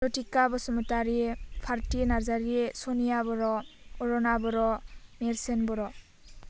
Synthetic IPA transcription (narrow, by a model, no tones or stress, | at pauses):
ɔtikabɔsɔmutaɾipʰaɾtinaɾzaɾiesɔnijabɔɾɔɔɾɔnabɔɾɔmeɾsenbɔɾɔ